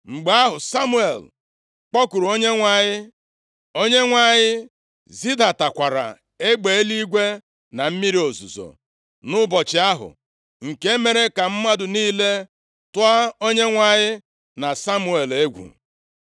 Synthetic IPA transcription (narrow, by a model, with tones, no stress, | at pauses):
ŋ͡m̩˨ɡ͡ba˦a˦ɦʊ˨sa˦mu˦e˨l | k͡pɔ˦ku˨ɾu˨o˦ɲe˦ŋʷa˦ɲɪ˦ | o˦ɲe˦ŋʷa˦ɲɪ˦ | zi˦da˨ta˨kʷa˨ɾa̰˨ | e˦ɡ͡be˨e˦li˦ɡʷe˦ | na˨m̩˦mi˦ɾi˦o˨zṵ˨zo̰˨ | nʊ˦bɔ˨t͡ʃɪ˨a˦ɦʊ̰˨ | ŋ̩˨ke˦e˦me˨ɾe˦ka˨m̩˦ma˦dʊ˨niː˦le˦ | tʊ˦a˦o˦ɲe˦ŋʷa˦ɲɪ˦ | na˨sa˦mu˦e˨le˦ɡʷṵ˨